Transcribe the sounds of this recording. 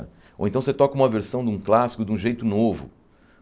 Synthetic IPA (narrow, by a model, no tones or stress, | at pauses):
owẽnt̪ɐ̃w̃set̪ɔkɐũmɐveɾsɐ̃w̃d̪ũklasi̥kʊd̪ɪũʒejt̪ʊnovʊ̰